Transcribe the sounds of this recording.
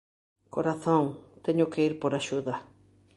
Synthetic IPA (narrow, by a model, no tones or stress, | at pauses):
koɾaθõŋt̪eɲʊkeiɾpoɾaʃuðɐ